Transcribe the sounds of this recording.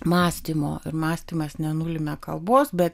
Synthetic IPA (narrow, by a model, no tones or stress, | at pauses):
mɑːsʲt̪ʲiːmo̰ːɪɾmɑːsʲt̪ʲiːmɐsnʲɛnulʲɪmʲɛkɐlˠboːsbʲɛt̪